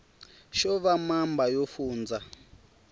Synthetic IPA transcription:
ʃɔβamambajofuːnd͡za

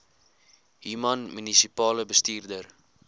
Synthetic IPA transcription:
ɦiːmɐnmynisipɑːləbəstiːrdər

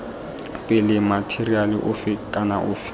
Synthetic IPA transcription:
pʼɛlɪmatʰerialɪʔʊfɪkʼanaʔʊːfɪ̥

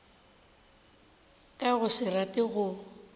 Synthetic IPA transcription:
kʼaɣʊsɪratʼɪɣʊ

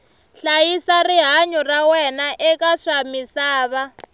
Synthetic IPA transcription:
ɬajisariɦaɲɔrawɛnaʔɛkaʂamisaːβa

